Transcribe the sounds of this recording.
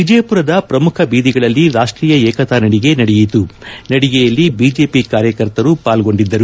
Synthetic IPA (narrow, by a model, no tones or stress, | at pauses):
ʋid͡ʒɐjɐpuɾɐd̪ɐpɾɐmukʰɐbiːd̪iɡɐɭɐlːiɾaːʂʈɾiːjɐɛːkɐt̪aːnɐɽiɡe̞nɐɽɛjit̪unɐɽiɡejɐlːibiːd͡ʒe̞ːpikaːɾjɐkɐɾt̪ɐɾupaːlɡo̞ɳɖid̪ːɐɾu